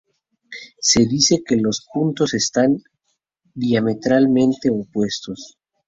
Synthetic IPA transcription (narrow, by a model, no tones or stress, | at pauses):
se̞ðise̞ke̞lo̞spunt̪o̞se̞st̪an | d̪jame̞t̪ɾalmẽ̞nt̪e̞opwe̞st̪o̞s